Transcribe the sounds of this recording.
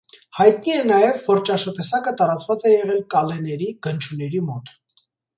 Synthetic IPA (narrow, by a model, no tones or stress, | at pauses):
hɑjt̪niɛnɑjɛvːɔɾt͡ʃɑʃɑt̪ɛsɑkət̪ɑɾɑt͡svɑt͡sɛjɛʁɛlkɑlɛnɛɾiɡ̥ənt͡ʃʰunɛɾimɔt̪